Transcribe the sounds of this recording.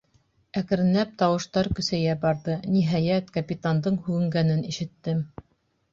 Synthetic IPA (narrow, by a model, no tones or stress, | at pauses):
ækɘ̆ɾɘ̆nlæp̚t̪ɑwɤ̆ʃt̪ɑɾkɵ̆sæjæbɑɾðɤniɦæjæt̪kɐpʲit̪and̪ɤɴhʉɡɘ̆ŋɡænɘniʃɘ̆t̪ːɘm